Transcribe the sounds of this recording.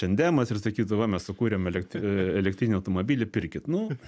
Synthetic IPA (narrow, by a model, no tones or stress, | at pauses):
t͡ʃʲɛnd̪ʲæːmɐsɪrsɐkʲiːt̪ʊʋɐmʲɛssʊkuːɾʲemɛlʲɛkt̪ɛlʲɛkt̪ɾʲiːnʲɛɐʊt̪omobʲiːlʲɪpʲɪɾʲkʲɪt̪nʊ